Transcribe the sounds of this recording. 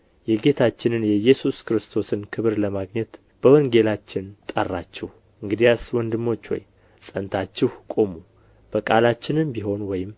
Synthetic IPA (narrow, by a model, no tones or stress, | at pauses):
jɛɡe̞t̪ʰat͡ʃːɪnɨnjɛjːɛsuskɨɾɨst̪ʰo̞sɨnkʰɨβɨɾləmaɡɲɛt̪ | b̥əwɔŋɡe̞lat͡ʃːɪnt̪ʼərːat͡ʃːɪh | ɨŋɡɨd̪ijaswɔnd̪ɨmːo̞t͡ʃːwɔ̰j | sʼənt̪ʰat͡ʃːɪhkʼo̞mu | b̥əkʼalat͡ʃːɪnɨmbiɦo̞nwɔjɪm